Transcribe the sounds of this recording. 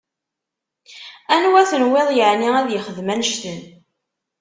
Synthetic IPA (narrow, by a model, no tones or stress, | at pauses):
ænwæθənweðˤjəʕniæðjəχəðmænʃt̪ən